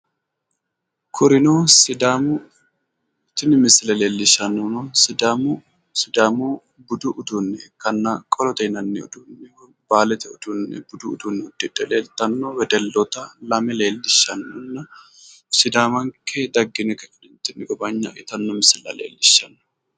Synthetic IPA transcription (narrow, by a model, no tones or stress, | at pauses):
kʰʊɾɪnoːsɪd̪aːmʊ | t̪ɪnɪmɪsɪlɐleːlːɪʃɐnːɔnɔsɪd̪amʊ | sɪd̪aːmu | bʊd̪ʊʔʊd̪unːɛkɐnːɐkʼɔlɔt̪ɛnɐnːɛʊ̰d̪unːɛ | baːlɛt̪ɛʊd̪unːɛ̰bʊd̪ʊːd̪unːɛʊd̪ːɪᶑɛleːlt̪ɐnːɔwɛd̪ɛlːɔt̪ɐlɐmɛle̞ːlːɪʃɐnːɔnːɐ | sɪd̪aːmɐŋked̪ɐɡːɪnɛkɐɪnɪnt̪ːɪnːɪɡɔbɐɲːɐ̰ʔɪt̪ɐnːɔmɪsɪlɐ̰lḛːlːɪʃːɐnːɔ̥